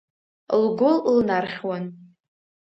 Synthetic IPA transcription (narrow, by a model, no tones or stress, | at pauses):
lɡʷʊllnarχʲwan